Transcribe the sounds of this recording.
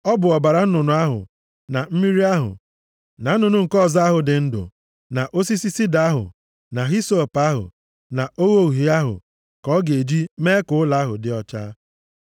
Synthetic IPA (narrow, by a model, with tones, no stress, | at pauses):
ɔ˦bʊ˨ɔ˨ba˨ɾa˨n̩˦nʊ˨nʊ˨a˦ɦʊ̰˨ | na˨m̩˦mi˦ɾi˦a˦ɦʊ̰˨ | na˨n̩˦ʊ˨nʊ˨ŋ̩˨kɔ˦˨za˦ɦʊ˨dɪ˨n̩˦dʊ̰˨ | na˨ʔo˦si˦si˦si˦da˦ɦʊ̰˨ | na˨ɦi˦so˦˨pa˦ɦʊ̰˨ | na˨o˦ɣo˦u˨ɦi˨a˦ɦʊ̰˨ | kɔ˦ɡe˨d͡ʒi˦me˦kʊ˦ʊ˦la˨˦a˦ɦʊ̰˨dɪ˦ɔ˦t͡ʃa̰˦